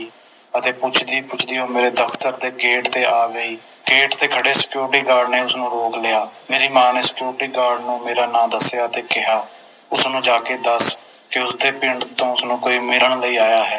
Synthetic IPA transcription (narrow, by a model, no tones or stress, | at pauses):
ət̪eːpʊt͡ʃʰd̪iːpʊt͡ʃʰd̪iːɦõːmeːɾeːd̪əpʰt̪əɾd̪eːɡeːʈt̪eːʔaːɡəiː | ɡeːʈt̪eːkʰəɽeːsɪ̥kjuːɾʈiːkaːɖneːʊsnũːɾoːkleːaːmeːɾiːmaːneːsɪ̥kjuːɾʈiːɡaːɾɖnũːmeːɾaːnãːd̪əsjaːət̪eːkɪɦaː | ʊsnũːd͡ʒaːkeːd̪əs | kɪʊsd̪eːpɪɳɖt̪õːʊsnũːkoːiːmɪləɳləiːaːjaːɦɛː